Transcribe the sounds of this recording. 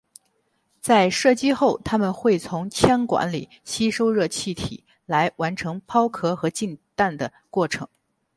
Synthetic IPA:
t͡sa˥˧ɪʂɤ˥˩t͡ɕi˥xo˥˩ʊt̪ʰa˥mə˨nxwe˥˩ɪt͡sʰʊ˧˥ŋt͡ɕʰjɛ˥nkwa̰˧˥nlḭ˨˩ | ɕi˥ʂo˥ʊɻɤ˥˧t͡ɕʰi˥˩t̪ʰḭ˨˩ | la˧˥ɪwa˧˥nʈ͡ʂʰɤ˧˥ŋpʰɑ˥ʊkʰɤ˥xɤ˧˥t͡ɕi˥˧nt̪a˥˩nd̪ə˩ | kwɔ˥˩ʈ͡ʂʰɤ̰˧˥ŋ

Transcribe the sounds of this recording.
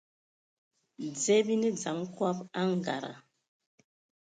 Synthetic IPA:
d͡zɛ˦bi˦nɛ˦d͡za˨˦ŋ˦kwa˦pa˦ŋ˨ɡa̰˨ɾa̰˨

